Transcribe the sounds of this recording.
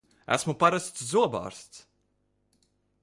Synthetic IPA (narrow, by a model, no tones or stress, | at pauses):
æ̰smupaɾast̪szuɔba̰ːɾst̪s